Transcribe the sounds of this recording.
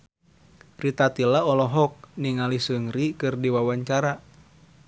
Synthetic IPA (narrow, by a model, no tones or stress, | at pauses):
rit̪at̪ilaɔlɔɦɔk̚niŋalisɨŋɾikɨrdiwawaɲt͡ʃaɾa